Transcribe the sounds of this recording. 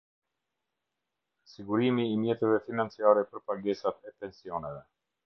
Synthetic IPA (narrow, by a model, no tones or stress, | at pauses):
siɡuɾimiːmjɛt̪ɛvɛfinant͡siaɾɛpəɾpaɡɛsat̪ɛpɛnsiɔnɛvɛ